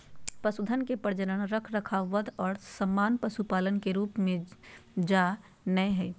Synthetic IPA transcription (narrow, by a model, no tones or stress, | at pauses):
pɐsʊd̪ʱənkepəɾd͡ʒənənɾəkʰɾəkʰaʋəd̪ʱɔːɾsəmːaːnpɐsupaːlənkeɾuːpmẽd͡ʒaː | nəeɦɛː